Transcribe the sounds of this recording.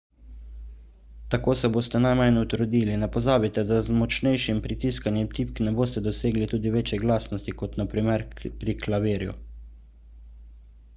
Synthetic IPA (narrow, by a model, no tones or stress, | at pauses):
t̪akoːsɛboːst̪ɛnajmajnut̪ɾd̪iːlinɛpɔzaːbit̪ɛd̪azmɔt͡ʃnɛjʃimpɾit̪iskanjɛmt̪ip̚knɛboːst̪ɛd̪ɔseːɡlit̪uːd̪iʋeːt͡ʃjɛɡlaːsnɔst̪ikɔt̪napɾimɛɾpɾiklaʋeːɾjṵ